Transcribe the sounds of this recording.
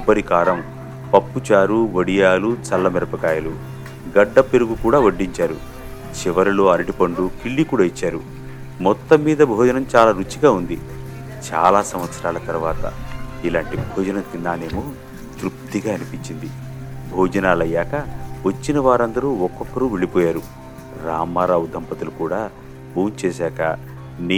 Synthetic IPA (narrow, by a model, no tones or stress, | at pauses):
ubːɐɾikaːɾɐm | pɐpːut͡ʃaːɾuʋɐɽijaːlut͡ʃɐlːɐmɛɾɐpɐkaːjɐlu | ɡɐɖːɐpeɾuɡukuːɽaːʋɐɖːiɲt͡ʃaːɾṵ | t͡ʃiʋɐɾuloːɐɾɐʈipɐɳɖukiɭːikuːɽaːit͡ʃːaːɾu | mɔt̪ːɐmːiːd̪ɐbʱɔːd͡ʒɐnɐmt͡ʃaːlaːɾut͡ʃːiɡaːund̪i | t͡ʃa̰ːlaːsɐmʋɐt̪sɐɾaːlɐt̪ɐɾuʋaːt̪ɐ̰ilaːɳʈibʱɔːd͡ʒɐnɐnkind̪aːne̞ːmu | t̪ɾup̚t̪iɡaːɐnipiɲt͡ʃind̪i | bʱɔːd͡ʒɐnaːlɐjːaːkɐʋɐt͡ʃːinɐʋaːɾɐnd̪ɐɾuːɔkːɔkːɐɾuːʋeɭipɔːjaːɾu | ɾaːmːaːɾaːud̪ʱɐmpɐt̪ulukuːɽaː | buːnt͡ʃɛːsaːkɐ̰ | ni